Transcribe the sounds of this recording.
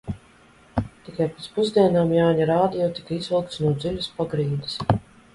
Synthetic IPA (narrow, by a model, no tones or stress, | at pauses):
t̪ikajpet̪spuzd̪iɛnaːmjaːɲaɾaːd̪ijɔwt̪i̥kaizilˠk̚t̪snuɔd̪zilʲuspɔɡɾiːd̪i̥s